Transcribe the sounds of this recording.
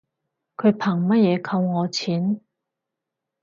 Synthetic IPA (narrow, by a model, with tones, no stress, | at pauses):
kʰɵ˨˧ɥpʰaː˨˩ŋmɐ˥t̚jɛː˨˧kʰɐ˧wŋɔː˨˧t͡sʰiː˨˥n